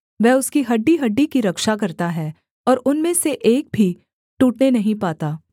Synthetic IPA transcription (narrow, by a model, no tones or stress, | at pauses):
ʋɛːʊskiɦɐɖːiɦɐɖːikiɾɐkʃakɐɾt̪aɦɛː | ɔːɾʊnmẽseʔeːk̚bʱi | ʈuːʈnenɐɦĩpaːt̪aː